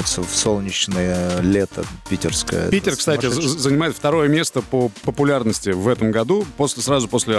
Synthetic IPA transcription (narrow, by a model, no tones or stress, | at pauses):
ɪt̪səfsolˠnʲɪt͡ɕnəjəlʲet̪ə̰pʲitʲɪ̰rskə̰jə̰pʲitʲɪrkst̪atʲɪzənʲɪmajɪt̪ft̪ɐɾo̞jəmʲe̞st̪əpəpəpʊlʲarnəsʲtʲɪvɛt̪əmɡɐd̪uposʲlʲɪsrazʊpo̞sʲlʲɪ